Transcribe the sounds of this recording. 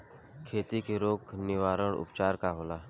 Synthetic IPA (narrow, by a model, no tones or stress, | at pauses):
kʰeːt̪ikeɾoːknɪʋaːɾəɽʊ̰pt͡ʃaːɾkaɦoːlaː